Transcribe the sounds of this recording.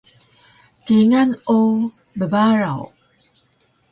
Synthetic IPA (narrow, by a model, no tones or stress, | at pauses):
tiŋano | bəbaɾaw